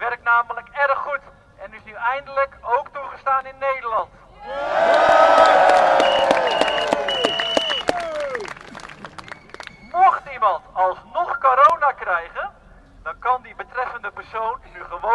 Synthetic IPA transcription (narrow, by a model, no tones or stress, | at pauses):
ʋɛrk̚tnaːmələkɛɾəχːut | ɛnyɪsnyɛjndələkowktuχəstaːnɪnːejdəɹlɑnt | mɔχtimɑntɑlˠsnɔχkoɾownaːkrɛjχən | d̥ɑnkɑndibətrɛfəndəpɛrsownːyχəʋo